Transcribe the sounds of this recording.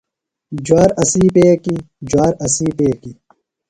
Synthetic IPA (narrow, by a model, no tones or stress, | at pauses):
d͡ʑwaːɾɐsiːpeːki | d͡ʑwaːɾɐsiːpeːki